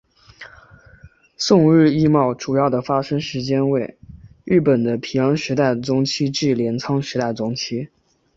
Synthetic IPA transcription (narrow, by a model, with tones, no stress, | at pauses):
sʊ˥˧ŋɻɻ̩˥˧i˥mɑ˥˩ʊʈ͡ʂu˨˩jɑ˥˩ʊd̪ə˩fa˥ʂɤ˥ŋʂɻ̩˧˥t͡ɕjɛ˥nwe˥˩ɪ˥˩pə˨˩nd̪ə˦pʰi˨˩jɑ˧˥ŋʂɻ̩˧˥t̪a˥˩ɪt͡sʊ˥ŋt͡ɕʰi˥ʈ͡ʂ̩˥˩ljɛ˧˥nt͡sʰɑ˥ŋʂɻ̩˧˥t̪a˥˩ɪt͡sʊ˥ŋt͡ɕʰi˥